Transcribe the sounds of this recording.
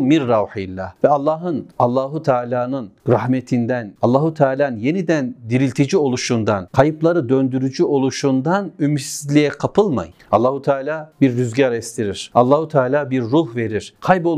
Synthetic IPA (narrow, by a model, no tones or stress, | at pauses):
miɾːawħilʲːavɛalˠːaːɦɯnɑlˠːaːɦut̪ʰaːlʲaːnɯnɾahmet̪ʰind̪ænɑlˠːaːɦut̪ʰaːlʲaːɯnje̞nid̪ænd̪iɾilʲt̪ʰid͡ʒio̞lˠuʃund̪ankʰajɯplˠaɾɯd̪ønd̪yɾyd͡ʒyo̞lˠuʃund̪anymysizlʲijɛkʰapʰɯlˠma̰j | ɑlˠːaːhut̪ʰaːlʲaːbiɾːyzɟaɾɛst̪ʰeɾiɾ̥ɑlˠːaːhut̪ʰaːlʲaːbiɾːuhve̞ɾiɾ̥kʰajbo̞lˠ